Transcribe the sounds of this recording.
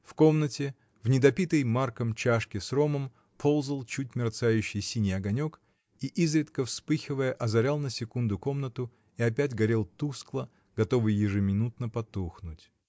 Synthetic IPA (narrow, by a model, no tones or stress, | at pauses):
fko̞mnətʲɪ | vnʲɪd̪ɐpʲit̪əjmarkəmt͡ɕaʂkʲɪsro̞məm | pʰo̞lˠzəlˠt͡ɕut̚ʲmʲɪrt̪sajʉɕːɪjsʲinʲɪjɐɡɐnʲo̞k | iʔizɾʲɪt̪kəfspɨxʲɪvəjəʔɐzɐɾʲalˠnəsʲɪkund̪ʊko̞mnət̪ʊ | iɐpʲætʲɡɐɾʲelˠt̪usklˠə | ɡɐt̪o̞vɨjːɪʐɨmʲɪnut̪nəpɐt̪uxnʊtʲ